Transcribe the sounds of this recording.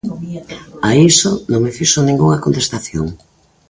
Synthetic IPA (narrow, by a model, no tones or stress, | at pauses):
aisonõŋmefiʃonĩŋɡuŋɐkont̪est̪aθjoŋ